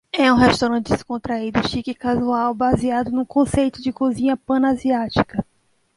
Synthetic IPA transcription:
ɛũɦest̪awɾɐ̃nt͡ʃɪd̪ɪskõnt̪ɾaid̪ʊʃikɪkazuawbaziad̪ʊnũkõsejt̪ʊd͡ʒɪkozĩɲɐpɐ̃naziat͡ʃi̥kɐ

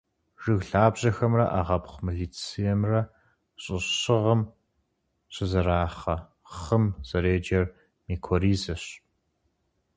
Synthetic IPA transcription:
ʒ̥ɨɣɬaːbʑɐxɐmrɐʔaːʁɐpχʷmiɮiːt͡sʰijɛmrɐ | ɕʼɪɕɪʁəm | ɕʼɪzɐɾaːχɐ | χəmz̥ɐɾeːd͡ʒɐr | miːkʰoriːzɐɕ

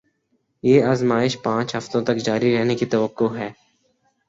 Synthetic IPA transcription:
jeːaːzmaːɪʃpãːt͡ʃɦɐft̪õt̪ɐkd͡ʒaːɾiɾɛɦnekit̪ɐʋəqːoɦɛː

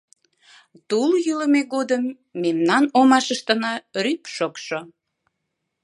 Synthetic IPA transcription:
t̪uljyləmeɣod̪əmː | emnɑnomɑʃəʃt̪ənɑrypʃokʃo

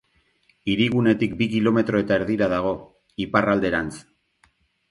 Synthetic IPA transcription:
iɾiɣ̞une̞t̪ik̚bikilo̞me̞t̪ɾo̞e̞t̪aeɾðiɾaðaɣ̞o̞ | iparald̪e̞ɾant͡s

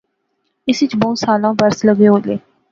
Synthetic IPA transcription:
ɪsɪt͡ʃbõːsaːlãːbəɾsləɡeːoːleː

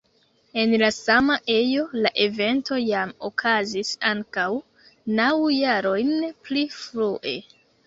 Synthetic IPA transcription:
e̞nlasamaʔe̞jo̞laʔe̞ve̞nto̞jamokʰazisaŋkaw | nawjaɾo̞jnplifɾuʔe̞

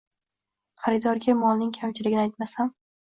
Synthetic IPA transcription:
χaɾɪd̪ɒɾɡʲamɒlˠnɪŋkʲʰamt͡ʃʰɪlɪɡʲɪnajt̪̚masam

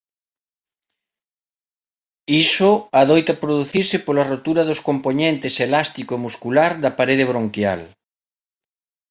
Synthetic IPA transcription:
isoaðojt̪ɐpɾoðuθiɾsɪpolɐrot̪uɾɐðoskompoɲẽnt̪ɪselast̪ikoemuskulaɾðɐpaɾeð̞ɪβ̞ɾoŋkja̰l

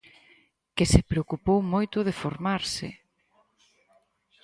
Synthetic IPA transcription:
kɪsepɾeokupowmojt̪ʊðefoɾmaɾsɪ

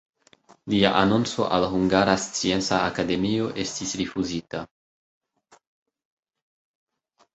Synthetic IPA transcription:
lia̰ʔanont͡so̞̰ʔalɦuŋɡaɾast͡sie̞nt͡saːkade̞mio̞ʔe̞stisɾifuzita

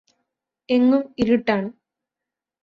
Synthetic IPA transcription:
eŋːumiɾiʈːaːɳɨ

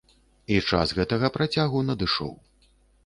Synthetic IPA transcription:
it͡ʂa̰sɣɛt̪ɐɣɐpɾat͡sʲaɣunɐd̪ɨʂɔ̰w

